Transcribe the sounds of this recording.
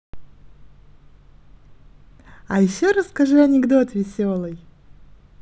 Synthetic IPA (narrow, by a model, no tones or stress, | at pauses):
ajɪɕːoɾəsːkɐʐuɐnʲɪɡd̪o̞t̪vʲɪsʲo̞lˠɨj